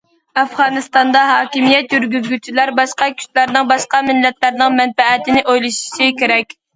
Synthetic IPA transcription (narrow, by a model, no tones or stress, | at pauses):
æfʁɑːnɨst̪ɑnd̪ɑɦɑːkʲimijɛt̪jyɾɡʲyzɡʲyt͡ʃʰilæɾbɑʃqɑkʲʰy̥ʃlæɾnɪŋbɑʃqɑmɪlːɛt̪læɾnɪŋmɛnfɛæt̪ɪnɪʔojlˠɨʃi̥ʃikʲeɾɛkʲ